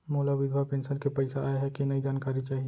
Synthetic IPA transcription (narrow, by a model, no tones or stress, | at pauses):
moːlaʋɪd̪ʱwapẽːnsənkepɐɪsaaːeɦɛkinɐid͡ʒaːnkaːɾit͡ʃaːɦie